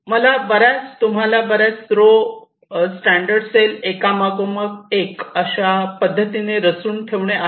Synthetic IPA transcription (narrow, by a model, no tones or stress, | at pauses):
məlabəɾat͡st̪um̤alabəɾat͡st̪ɾo | sʈæɳɖəɾɖselekamaɡoməɡekəɕapəd̪ʱːət̪ineɾəsuːnʈʰeʋɳeʔa